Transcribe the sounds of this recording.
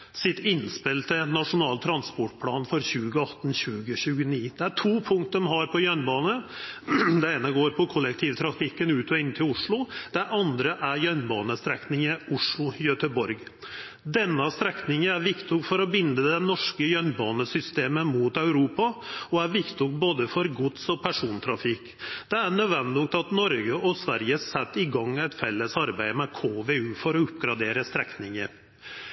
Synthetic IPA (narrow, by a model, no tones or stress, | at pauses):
sɪt̪ɪnspɪlt̪ʰɪnɑʂʊnɑːlt̪ʰɾɑnspɔʈpʰlɑːnfɔɾçʉːɡəɑt̪ːn̩ɕʉːɡəɕʉːɡəniːd̪̥ɛæʈʰuːpʰʊŋk̚t̪əmɦɑɾpʰɔjœnbɑːnə | d̪ɛeːnəɡoːɾpʰɔkʰɔlːɛkt̪ʰiːʋt̪ʰɾɑkfɪkːənʉːt̪ɔɪnt̪ʰɪlʊʂɭʊd̪̥ɛʔɑnd̪ɾəʔæɾjœnbɑːnəst̪ɾɛknɪŋəʊʂɭʊjœt̪əbɔɾɡ | d̪ɛnːəst̪ɾɛknɪŋəæɾʋɪkt̪ɪɔɡfɔɾɔbɪnd̪əd̪ɛnɔʂkəjœnbɑːnəsʏst̪eːməmuːt̪ɑʉɾuːpɑɔæɾʋɪkt̪ʊkboːd̪əfɔɾɡʊd̪sɔpʰæʂuːnt̪ʰɾɑfɪk | d̪̥ɛænœʋɛnd̪uːk̚t̪ɑt̪nɔɾɡəʔɔsʋæɾjəsɛt̪ːɪɡɑŋːæɪt̪fɛlːəsɑɾbæɪmɛkʰoːʋeːʉːfɔɾɔʉpːɡɾɑd̪eːɾəst̪ɾɛknɪŋəɾ